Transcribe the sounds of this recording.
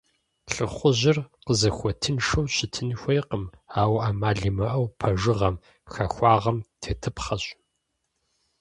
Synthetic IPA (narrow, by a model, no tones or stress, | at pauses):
ɬɨχʷʊʑɪrqəzɐxʷɔtʰɨnʂɐwɕɪtʰɨnxʷejqəmaːwʔaːmaːɮɨmɐʔɐwpʰɐʐɨʁɐm | xɐxʷɑːʁɐmtʰeːtʰɨpχɐɕ